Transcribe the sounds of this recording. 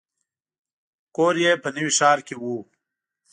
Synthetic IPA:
koːɾjepənəwiʂɑːɾkewu

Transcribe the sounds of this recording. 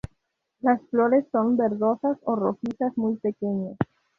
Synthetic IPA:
lasfloɾesːo̞nbeɾðosasoroxisasmuj̚pekeɲes

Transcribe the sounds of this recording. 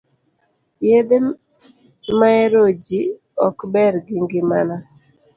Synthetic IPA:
jed̪e | maeɾod͡ʒi | ɔkbɛɾɡiŋɡɪmana

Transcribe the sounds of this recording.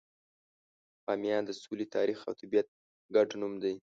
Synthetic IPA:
ɑmjɑd̪əsulet̪ʰɑɾixa̰wt̪ibjat̪̚ | ɡaɖnumd̪aj

